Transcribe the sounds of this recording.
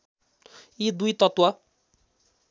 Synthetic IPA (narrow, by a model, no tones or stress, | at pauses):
id̪ujt̪ʌt̪wa